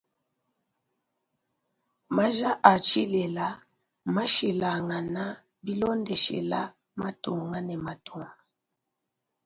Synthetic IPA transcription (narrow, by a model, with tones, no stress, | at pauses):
ma˦ʒa˦ʔa˨t͡ʃi˦lɛ˨la˦ | ma˦ʃi˨la˨ŋa˨na˦ | bi˦lɔ˦ndɛ˨ʃɛ̰˨la˦ | ma˦tu˨ŋa˦nɛ˨ma˨tu˨ŋa˨